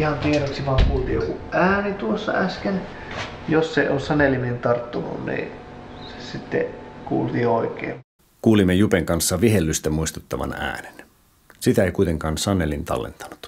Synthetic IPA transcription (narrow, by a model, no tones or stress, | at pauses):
ihɑnt̪ieroksiʋɑːŋkuːlt̪iːjokuʔæːnit̪uosːɑ̰æsken | jossḛossɑnelimint̪ɑrt̪ːunṵnnḭːsesit̪ːḛkṵːlt̪iːoikˑḛː | kuːlimːejupeŋkɑnsːɑʋiɦelːyst̪æmuist̪ut̪ːɑʋɑ̰næ̰ːne̥n | sit̪æejkujt̪e̞ŋkɑːnsɑnelint̪ɑ̰lːḛnt̪ɑ̥nu̥t̪